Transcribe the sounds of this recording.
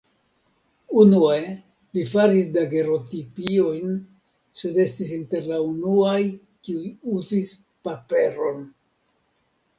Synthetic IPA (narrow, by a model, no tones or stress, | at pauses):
unue̞ | lifaɾisdaɡe̞ɾo̞tipio̞jn | se̞de̞stisinte̞ɾlaunuaj | kiujuzis | pape̞ɾo̞n